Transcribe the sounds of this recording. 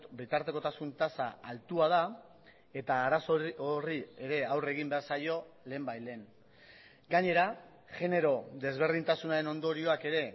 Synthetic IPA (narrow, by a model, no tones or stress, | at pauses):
bit̪aɾt̪e̞ko̞t̪asunt̪asa̰alt̪uað̞a | e̞t̪aːɾasoorie̞ɾe̞awre̞ɣ̞imbe̞aɾsajo̞le̞ːmbajle̞ːn | ɡaɲe̞ɾa | ʝe̞ne̞ɾo̞ðe̞zβ̞e̞ɾð̞int̪asunaɾe̞no̞nd̪o̞ɾio̞ake̞ɾe̞